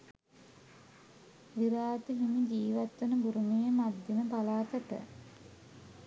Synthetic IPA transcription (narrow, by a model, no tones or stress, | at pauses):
ʋiɾaːt̪əɦimid͡ʒiːʋat̪ːenəbuɾumijəmad̪ːenəpalaːt̪əʈə̰